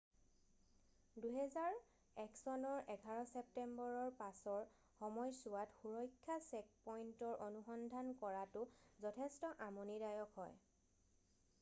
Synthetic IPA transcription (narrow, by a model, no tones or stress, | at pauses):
duɦɛzaɹ | ɛksɔnɔɹʔɛɡʱaɹɔsɛp̚tɛmbɔɹɔɹpasɔɹ | xɔmɔjsʊwatxuɹɔjkʰːasɛk̚pɔjntɔɹʔonuxɔndʱankɔɹatʊzɔtʰɛstɔʔamonidajɔkɦɔj